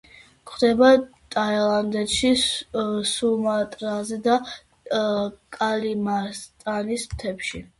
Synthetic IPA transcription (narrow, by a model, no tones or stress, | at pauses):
kʰχd̪ɛba | t̪ʼailˠand̪ɛt̪ʃi | sumat̪ʼɾazɛd̪a | kʼalimast̪ʼanismt̪ʰɛpʃi